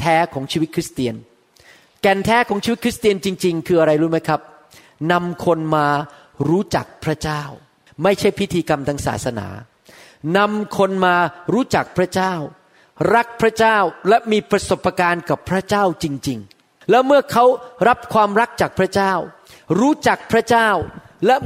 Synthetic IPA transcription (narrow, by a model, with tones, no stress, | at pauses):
t̪ʰɛː˦˥kʰɔː˩˦ŋt͡ɕʰiː˧wi˦˥t̪̚kʰɾi˦˥st̪i˧ən | kɛ˨˩nt̪ʰɛː˦˥kʰɔː˩˦ŋt͡ɕiː˧˦˥t̪̚kʰi˦˥st̪i˧ənt͡ɕi˧ŋt͡ɕi˧ŋkʰɯː˧ʔa˧ɾa˧jɾuː˦˥ma˦˥jkʰɾa˦˥p̚ | na˧mkʰo˧nmaː˧ | ɾuː˦˥t͡ɕa̰˨˩k̚pʰɾa˦˥t͡ɕaː˥˩w | ma˥˩jt͡ɕʰa˥˩jpʰi˦˥t̪ʰiː˧ka˧mt̪ʰaː˦˥ŋsa̰ː˩t̪sa˧na̰ː˩˦ | na˧mkʰo˧nmaː˧ɾuː˦˥t͡ɕa˨˩k̚pʰɾa˦˥t͡ɕaː˥˩w | ɾa˦˥k̚pʰɾa˦˥t͡ɕaː˥˩wlɛ˦˥miː˧pɾa˧so˨˩pːa˧kaː˧nka˨˩pʰːɾa˦˥t͡ɕaː˥˩wt͡ɕi˧ŋt͡ɕi˧ŋ | lɛ˦˥mɯ˥˩ɐkʰa˦˥wɾa˦˥p̚kʰwaː˧mɾa˦˥k̚t͡ɕaː˨˩k̚pʰɾa˦˥t͡ɕaː˥˩w | ɾuː˦˥t͡ɕa˨˩k̚pʰɾa˦˥t͡ɕaː˥˩w | lɛ˦˥